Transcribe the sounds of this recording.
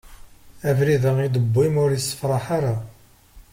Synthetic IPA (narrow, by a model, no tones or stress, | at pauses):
ævɾiðəid̪əbːimʊɾjəsːə̥fɾˤɑħaɾa